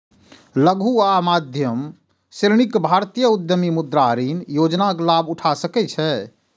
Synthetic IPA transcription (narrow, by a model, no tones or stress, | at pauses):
ləɡʱuamad̪ʱjəm | sɾñikbʱaɾt̪ijəud̪jəmimud̪ɾaɾinjod͡ʒnaklabuʈʰasəkɛt͡ʃʰɛ